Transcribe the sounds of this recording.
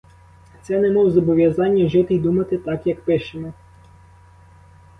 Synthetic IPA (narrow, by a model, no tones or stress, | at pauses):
t̪sɛnɛmɔwzɔbɔʋʲjɐzɑnʲːɐʒɪt̪ɪjd̪umɐt̪ɪt̪ɑkjɐkpɪʃemɔ